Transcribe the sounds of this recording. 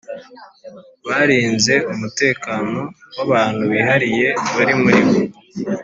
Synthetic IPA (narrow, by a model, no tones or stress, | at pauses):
βaɾiːnze̞umute̞ːkaːno̞waβaːn̥huβiɦaɾije̞βaɾimuɾimo